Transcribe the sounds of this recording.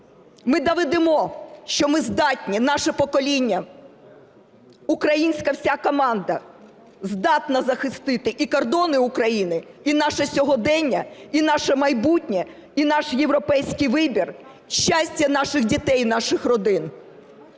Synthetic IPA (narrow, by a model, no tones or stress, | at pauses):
mɪd̪ɐʋɛd̪ɪmɔʃt͡ʃɔmɪzd̪ɑtʲnʲinɑʃɛpɔkɔlʲinʲːɐ | ukɾɐjinʲsʲkɐwsʲakɔmɑnd̪ɐ | zd̪ɑt̪nɐzɐxɪst̪ɪt̪ɪʔikɔrd̪ɔnɪukɾɐjinɪinɑʃɛsʲɔɦɔd̪ɛnʲːɐinɑʃɐmɐjbutʲnʲɛ | inɑʃjewɾɔpɛjsʲkɪjʋɪbʲir | ʃt͡ʃasʲtʲɐnɑʃɪxdʲit̪ɛjnɑʃɪxrɔd̪ɪn